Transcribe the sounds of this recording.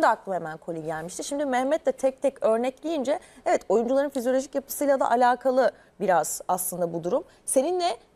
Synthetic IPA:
d̪ɛak̚lˠɯemænkʰolʲiɟælʲmiʃt̪ʰiɾʃimd̪imɛhmɛt̪lɛt̪ʰɛc̚t̪ʰɛcø̞ɾnɛclʲijind͡ʒɛɛvɛt̪o̞jund͡ʒulˠaɾɯnfizijo̞lʲo̞ʒicjapʰɯ̥sɯjlˠad̪a̰ʔalʲaːkʰalˠɯ | biɾaz̥aslˠɯnd̪abud̪uɾum | se̞ninːɛ

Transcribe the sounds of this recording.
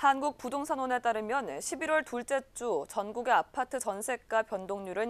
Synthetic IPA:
hanɡuk̚pudoŋsʰanwone̞t͈aɾɯmjʌnɕʰibiɾwʌɭtuɭt͡ɕ͈e̞t͡ɕ͈ut͡ɕʌnɡuɡe̞apʰatʰɯt͡ɕʌnsʰe̞k̚k͈apjʌndoŋɲuɾɯn

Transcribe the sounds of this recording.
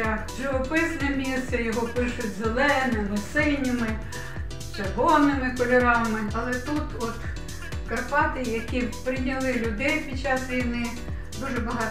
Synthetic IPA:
aʒʊʋɔpɪsnɛmʲist̪ɛjɔɦɔpɪʃʊtʲzelˠɛnɪmɪsɪnʲɪmɪ | t͡ʃerɦɔnɪmɪkɔlʲɔɾɑmɪɐlˠɛt̪ut̪ɔt̪ | kɐrpɑt̪ɪjɐkʲipɾɪnʲɐlˠɪlʲʊd̪ɛjpʲid̪̚t͡ʃːɑsʋʲijnɪ | d̪uʒɛbɐɦɑ

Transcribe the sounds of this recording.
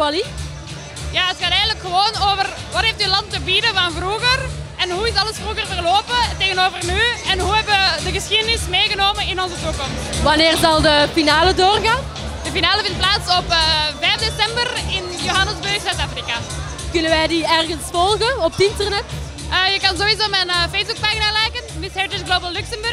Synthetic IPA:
ali | jaːətxaːtɛjɣənələkxəʋoːnoːvərʋɑtɦeftyəlɑntəbidəvɑnvruɣərɛnɦuɪsɑlˠəsfruɣərvərloːpəteːɣənoːvərnyɛnɦuɦɛbəʋədəɣəsxidənɪsmeːɣənoːmənɪnɔnzətukɔmstʋɑneːrzɑlˠdəfinaːlədoːrɣaːn | dəfinaːləvɪnt̚plaːtsɔpəvɛfdesɛmbərɪnjoɦɑnəzbɵrxsœtaːfrika | kʏnənʋɛjdiɛrɣənsfɔlˠɣəɔp̚dɪntərnɛt | əjəkɑnzoizoːmɛnəfejzbuk̚paːxinaːlɛjkənmɪshɛɹtəsɡloːbəlˠːʉksəmbɵrx

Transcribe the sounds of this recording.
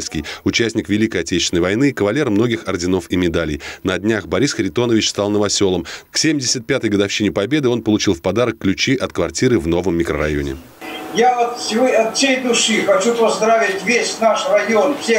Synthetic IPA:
skʲɪjʊt͡ɕæsʲnʲɪkvʲɪlʲikəjɐtʲet͡ɕɪsʲnəjvɐjnɨːkəvɐlʲe̞rmno̞ɡʲɪxɐrdʲɪno̞fɪmʲɪd̪alʲɪjnədʲnʲaxbɐɾʲisxɾʲɪt̪o̞nəvʲɪt͡ɕst̪ɑlˠnəvɐsʲo̞lˠəmksʲemʲdʲɪsʲət̪̚pʲat̪əjɡəd̪ɐfɕːinʲɪpɐbʲe̞d̪ɨo̞npəlˠʊt͡ɕilˠfpɐd̪aɾəkːlʲʉt͡ɕiʔɐt̪kvɐrtʲiɾɨvno̞vəmːʲɪkɾə̰ɾɐ̰jo̞̰nʲɪ̰ | jaot̪sʲɪvoɐt̪sʲejd̪ʊʂɨxɐt͡ɕupɐzd̪ɾavʲɪtʲvʲesʲnaʂrɐjonfsʲe

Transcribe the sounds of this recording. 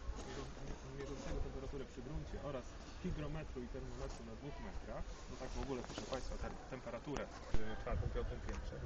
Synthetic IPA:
ɛɡɔ | mʲjɛʐɔnt̪sɛɡɔt̪ɛmpɛɾat̪uɾɛpʂɘɡɾuɲt͡ɕɛ̰ʔɔɾas | xʲiɡɾɔmɛt̪ɾuit̪ɛɾmɔmɛt̪ɾunad̪vuxmɛt̪ɾaxbɔt̪aɡvɔɡulɛpɨ̥ʂɛpaj̃st̪fɔt̪ɛt̪ɛmpɛɾat̪uɾɛ | tfaɾt̪ɔ̃w̃mpʲɔt̪ɔ̃m̃pʲjɛnt̪ʂɛ

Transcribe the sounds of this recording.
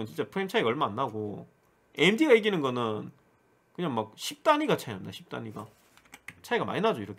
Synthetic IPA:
ɯnt͡ɕint͡ɕ͈epʰɯɾemt͡ɕʰajiɡaʌɭmaːnːaɡo | endiɡajeɡinɯnɡʌnɯn | kɯɲaŋmak̚ɕʰip̚t͈aɲiɡat͡ɕʰajamdaɕʰi̥p̚t͈a̰ɲiɡa̰ | t͡ɕʰajiɡama̰ɲinad͡ʑoiɾʌkʰ

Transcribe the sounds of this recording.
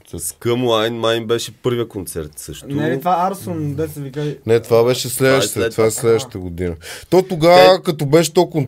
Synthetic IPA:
kɐmuajnmaj̃nbɛʃɐpəɾvɐkõnsɛɾt̪sɐʃtt̪nɛɐt̪vaaɾsõnd̪ɛsɐvikajnɛt̪vaβɛʃɐslɛʃt̪t̪vaslɛʃt̪ɐɡud̪inɐt̪ɔ̃t̪uɡakɐt̪ubɛʃt̪ɔkõn

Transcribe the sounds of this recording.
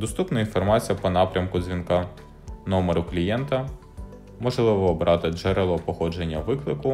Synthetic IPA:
d̪ɔst̪upnɐinfɔrmɑt͡sʲijɐpɔnɑpɾʲɐmkʊzʲʋʲinkɑ | nɔmeɾʊklʲijɛnt̪ɐ | mɔʒlˠɪʋɔɔbɾʔɑt̪ɪd͡ʒɛɾelˠɔpɔxɔd͡ʒenʲːɐʋɪklˠɪkʊ

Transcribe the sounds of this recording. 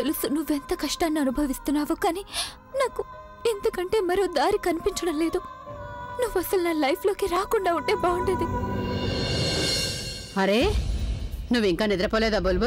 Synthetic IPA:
elusunuʋent̪ɐkɐʂʈaːnːuɐnubʱɐʋist̪unaːʋɐkaːni | naːɡu | int̪ɐɡɐɳʈemɐɾoːd̪aːɾikɐnpiɲt͡ʃɐɽɐleːd̪u | nuʋɐsɐlnɐlɐjpʰloːkeɾaːkɔɳɖauʈebaːuɳɖid̪e | ɐɾe | nuʋiŋkanid̪ɾɐpɔːled̪ɐbolbɐ

